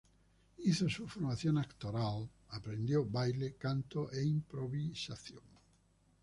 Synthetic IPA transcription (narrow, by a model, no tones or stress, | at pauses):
iθosufoɾmaθjõŋakt̪oɾal | apɾend̪jowbajlekant̪oʔeimpɾoβisaθjoŋ